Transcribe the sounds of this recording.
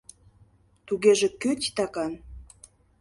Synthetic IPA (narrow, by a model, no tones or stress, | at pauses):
t̪uɣeʒĕkøt̪ʲt̪ɑkɑn